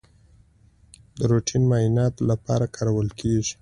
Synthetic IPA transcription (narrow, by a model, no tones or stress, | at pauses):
d̪əɾoʈʰinmɑjinɑt̪lapɑ̰ɾakʰɑɾawəlkʰeʒi̥